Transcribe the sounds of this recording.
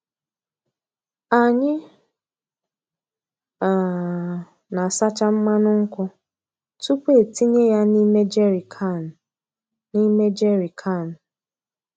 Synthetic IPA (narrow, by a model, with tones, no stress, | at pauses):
a˨ɲɪ˦ | a˨ | na˨sa˦t͡ʃa˦m̩˦ma˦nʊ˦ŋ̩˦kʷʊ˦ | tu˦kʷe˦˨ti˦ɲe˦ja˦ni˦me˦d͡ʒe˦ɾi˨kʰa˦˨n˨ | ni˦me˦d͡ʒe˦ɾi˨kʰa˦˨n̩˨